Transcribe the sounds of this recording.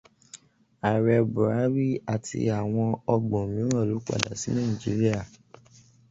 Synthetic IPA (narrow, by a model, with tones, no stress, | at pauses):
a˨ɾɛ˧bu˨ɾa˨˦ɾi˦a˨tʰḭ˧a˨w̃ɔ̃˧ɔ˧ɡ͡bɔ̃˨mĩ˨˦ɾ̃ã˦˨lo˨˦k͡pa̰˦˨da̰˨si˨˦nã˦ĩ˨d͡ʒḭ˨˦ɾi˦a˦˨